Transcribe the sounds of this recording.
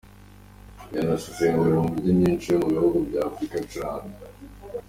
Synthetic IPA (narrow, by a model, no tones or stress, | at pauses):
janasusenuiɾomɡubɟiɲɲiːnt͡ʃijomuβihuɡubɟaːfɾikat͡ʃaːne